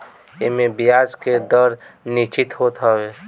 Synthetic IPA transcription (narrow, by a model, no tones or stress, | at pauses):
ɪmẽbijaːd͡ʒked̪əɾnit͡ʃɪt̪ɦoːt̪ɦɔweː